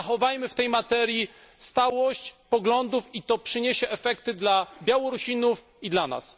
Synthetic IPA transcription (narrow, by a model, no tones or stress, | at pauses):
axɔvajmɘft̪ɛjmat̪ɛɾʲji | st̪awɔɕt͡ɕpɔɡlɔnd̪ufit̪ɔpʂɘɲeɕɛʔɛfɛkt̪ɘd̪labʲjawɔɾuɕʲinuf | id̪lana̰s